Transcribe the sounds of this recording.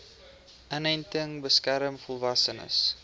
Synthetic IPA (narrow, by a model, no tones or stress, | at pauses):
ənɛjntəŋbəskæɾəmfɔlˠvɐsənə̰s